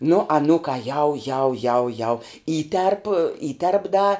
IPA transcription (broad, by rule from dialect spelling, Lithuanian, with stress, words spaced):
nʊ ɐˈnuːkɑː jɛʊ jɛʊ jɛʊ jɛʊ ˈiːtʲɛrp ˈiːtʲɛrp dɐ